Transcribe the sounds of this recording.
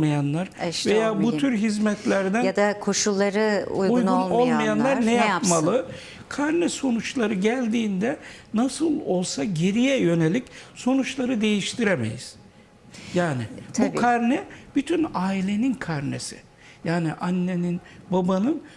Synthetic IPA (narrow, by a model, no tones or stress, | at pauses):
majanlˠaɾvejjaːbuyɾɦizmɛt̪ʰlʲæɾd̪æd̪akʰoʃulˠːaɾɯṵjɡujɡnunlˠo̞lˠmajanlˠaɾnɛjajapmmalˠɯ | kʰaɾnɛso̞nut͡ʃlˠaɾɯɟælʲd̪iːnd̪ɛnasɯlˠo̞lˠsaɟe̞ɾijɛjø̞ne̞lʲicso̞nut͡ʃlˠaɾɯd̪e̞jiʃt̪ʰiɾemḛjḭz̥ | jaːnɪbukʰaɾnɛb̥yt̪ʰynaːilʲe̞ninkʰaɾnesɪ̥̰ | jaːniʔanːe̞nin | babanɯn